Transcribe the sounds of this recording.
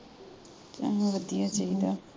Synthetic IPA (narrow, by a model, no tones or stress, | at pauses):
t͡ʃa̰ɦãʋəd̪ijaːt͡ʃaid̪aː